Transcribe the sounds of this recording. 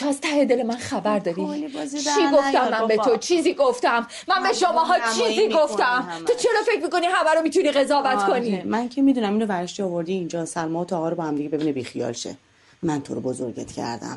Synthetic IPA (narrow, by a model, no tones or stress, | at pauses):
t̪ʰɒːzt̪ʰæhed̪elemænχæbæɾd̪ɒːɾi | iɡo̞ft̪æmːænbet̪ʰo̞t͡ʃʰiːziːɡoft̪æmːænbe̞ʃomɒːɦɒːt͡ʃʰiːziːɡo̞ftt̪æmt̪ʰot͡ʃʰe̞ɾɒːfe̞cʰʲmiːko̞niɦæmæɾomit̪ʰuniːɣe̞zɒːvæt̪konimæncʰemid̪unæminovæɾeʃt̪iɒvo̞ɾd̪iːnd͡ʒɒːsælmɒt̪ʰɒːɦɒːɾobɒhæmd̪iɟebebiːnebixijɒ̰ːlʃḛ | mænt̪ʰoɾobozo̰ɾɟḛt̪ʰcʰæ̰ɾd̪æ̰m